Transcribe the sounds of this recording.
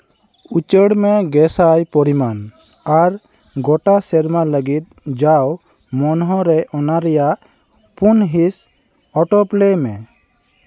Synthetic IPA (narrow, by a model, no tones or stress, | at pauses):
ut͡ʃəɽmɛɡɛsajpɔɾiman | aɾ | ɡɔʈasɛɾmaləɡit̪̚d͡ʒaw | mɔnɦɔɾɛʔɔnaɾɛjaʔ | punɦis | ɔʈɔplɛmɛ